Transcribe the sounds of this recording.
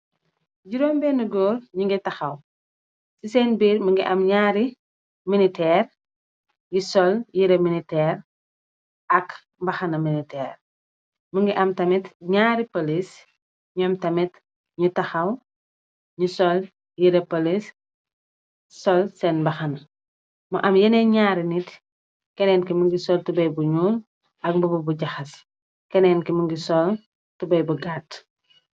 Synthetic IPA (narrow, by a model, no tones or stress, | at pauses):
ɟuɾɔːmbɛnuɡɔːrɲuŋɡitɐxɐw | sisɛːnbiːɾməŋɡiʔɐmɲaːɾi | minitɛːr | jisɔljiɾeminitɛːɾ | ɐk | mbɐxɐnɐminitɛːr | məŋɡiʔɐmtɐmitɲaːɾipolis | ɲuɐmtɐmit | ɲutɐxɐw | ɲusɔl | jiɾɛpolis | sɔlsɛnbɐxɐn | mɐʔɐmjɐnɛɲaːɾinit | kɛnɛnkimuŋɡisɔltubɐjbuɲul | ʔɐk̚mbububuɟɐxɐs | kɛnɛnkimuŋɡisɔl | tubɐjbuɡat